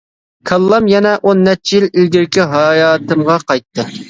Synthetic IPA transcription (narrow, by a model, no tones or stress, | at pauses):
kʰɑlˠːɑmjɛnɛʔonːɛt͡ʃʰːijililɡʲiɾkʲiɦɑːjɑːt̪ɨmʁɑqɑjt̪ʰːɨ